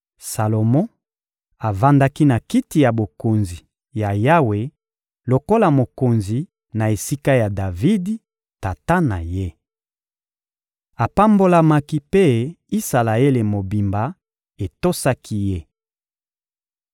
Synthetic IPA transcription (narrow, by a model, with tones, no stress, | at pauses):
sa˨lo˨mɔ̃˦ | a˨va˦nda˦ki˦na˨ki˦ti˨ja˨bo˨ko˨nzi˨ | ja˨ja˦we˨ | lo˨ko˦la˨mo˨ko˨nzi˨ | na˨e˨si˦ka˦ja˨da˨vi˦di˦ | ta˨ta˦na˨je˦ | a˨pa˦mbo˦la˦ma˦ki˦pe˦ | i˦sa˨la˨e˦le˨mo˨bi˨mba˨ | e˨to˦sa˦kʰi˦je˦